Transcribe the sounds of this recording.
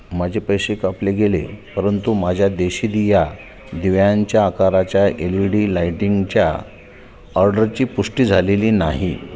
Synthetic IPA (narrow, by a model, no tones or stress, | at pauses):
mad͡ʑʱepəjɕekapleɡelḛpəɾənt̪umad͡ʑʱjad̪eɕid̪ija | d̪iʋjaɲt͡ɕjaːkaɾat͡ɕjaʔeliɽiːlajʈiŋɡt͡ɕja | əɾɖəɾt͡ɕiːpuʂʈiːd͡zʱaleliːnaɦi